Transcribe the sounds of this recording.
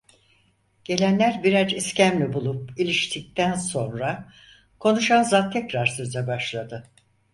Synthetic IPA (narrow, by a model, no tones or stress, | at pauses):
ɟ̥e̞lʲænlʲæɾbiɾad͡ʒiscæmlʲibulˠup̚ilʲiʃt̪ʰic̚t̪ʰænso̞nɾa | kʰo̞nuʃanzat̪ʰːɛcɾaɾsøzɛbaʃlˠad̪ɯ